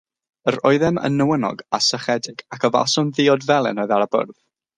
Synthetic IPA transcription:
əɾɔɨðɛmə̰nːəwənɔ̰ɡasəχɛdɪɡ̥akʰəva̰lˠsɔnðiːɔdvɛlˠɛ̰nɔɨðaɾəbʊ̰rð

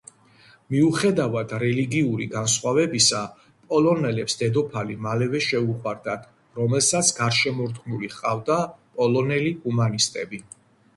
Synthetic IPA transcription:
miuχɛd̪avad̪̥ɾɛliɡiuɾiɡansχwavɛbisa | pʼɔlɔnɛlɛpsd̪ɛd̪ɔpʰalimalɛvɛʃɛuqʼwaɾd̪at̪ʰ | ɾɔmɛlsat̪sʰɡaɾʃɛmɔɾt̪ɡnuliχqʼavd̪apʼɔlɔnɛliumanist̪ʼɛbi

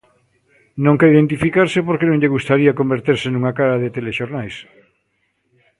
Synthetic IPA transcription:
nõŋkaiðent̪ifikaɾsepoɾkenõŋʎeɣust̪aɾiɐkombeɾt̪eɾsenuŋakaɾaðet̪eleʃoɾnajs

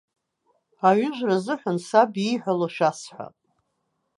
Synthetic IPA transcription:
aɥʏʒʷrazɨħʷansabiħʷᶣaloʃᶣasħʷa̰pʼ

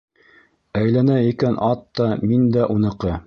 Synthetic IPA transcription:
æjlænæikænʔɑt̪ːɑmind̪æʔunɤ̆qɤ

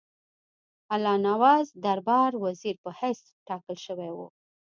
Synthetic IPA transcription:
alɑnawɑzd̪aɾbɑɾwaziɾpəhajs | ʈɑkəlʃəwewṵ

